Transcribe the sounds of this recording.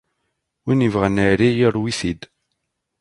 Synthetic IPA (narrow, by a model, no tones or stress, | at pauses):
winivʁənəɾijəɾˤwiθid̪